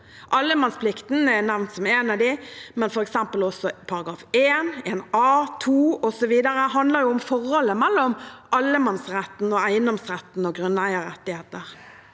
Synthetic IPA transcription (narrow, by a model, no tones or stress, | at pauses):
ʔɑlːəmɑnspʰlɪkt̪n̩ɛnæʋnt̪sɔmɛnɑd̪ɪmɛnfɔɾɛksɛmpəlɔsːɔpʰɑɾɑɡɾɑːfeːneːnɑːt̪ʰuːɔsɔʋiːd̪əɾəɦɑnd̪ləɾjʊʊmfɔɾhɔlːəmɛlːɔmʔɑlːəmɑnsɾɛt̪ːn̩ɔæɪənd̪ɔmsɾɛt̪nɔɡɾœnːæɪəɾɛt̪ːɪheːt̪əɾ